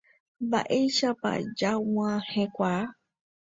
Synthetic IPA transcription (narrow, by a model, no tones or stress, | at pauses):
mba̰ʔejʃapa̰d͡ʒaw̃ãhẽkʷa